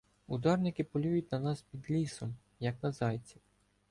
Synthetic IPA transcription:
ud̪ɑrnɪkɪpɔlʲujʊtʲnɐnɑspʲid̪lʲisɔm | jɐknɐzɑjt͡sʲiw

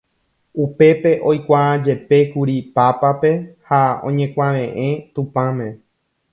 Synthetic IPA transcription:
upe̞pe̞ʔo̞jkʷaãd͡ʒe̞pe̞kuɾipapape̞haõ̞̰ɲẽkʷãʋẽ̞ʔẽ̞t̪upãmẽ

